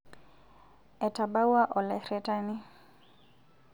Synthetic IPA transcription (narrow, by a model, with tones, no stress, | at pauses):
ɛ˨ta˨ɓa˦wa˦ʔɔ˨lɛ˨ɾɛta˦ni˦